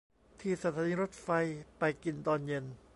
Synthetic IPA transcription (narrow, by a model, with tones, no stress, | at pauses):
t̪ʰiː˧˩sa˧t̪ʰaː˨˦niː˧ɾo˦˥t̪̚fa˧jpa˧jki˧nt̪ɔː˧njɤ˧n